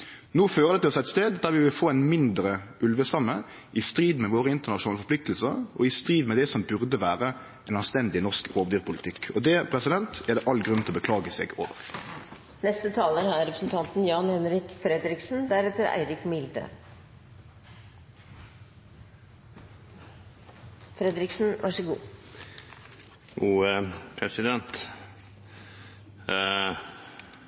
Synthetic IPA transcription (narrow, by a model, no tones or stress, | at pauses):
nuːføːʁəd̪ɛt̪ɪɔsæɪt̪st̪eːd̪d̪æʁʋɪʋɪlfoːænmɪnd̪ʁəʔʉlʋəst̪ɑmːə | ʔɪst̪ɾiːd̪mɛʋoːʁəɪnt̪əʁnɑʂʊnɑːləfɔɾpʰlɪk̚t̪l̩səʁɔɪst̪ʁiːd̪mɛd̪ɛsɔmbʉʁd̪əʋæːʁə | ɛnɑnst̪ɛnd̪ɪnɔʁskɾoːʋd̪yːʁpʰʊlɪt̪ʰɪkːʰɔd̪ɛpʰʁɛsɪd̪ɛnt̪æʁd̪ɛʔɑlɡʁʉnt̪ɪɔbəkʰlɑːɡəsɛ̰ɡo̰ːʋə̰ʁ | nɛst̪ət̪ʰɑːləhæɾɾɛpɾəsn̩t̪ʰɑnt̪n̩jɑːnhɛnɾɪkfɾɛd̪ɾɪksn̩d̪æɾɛt̪əɾæ̰ɪɾɪkmɪld̪ə̰ | fɾɛd̪ɾɪksn̩ʋʔɑʂəɡṵː | uːpʰɾɛsɪd̪ɛnt̪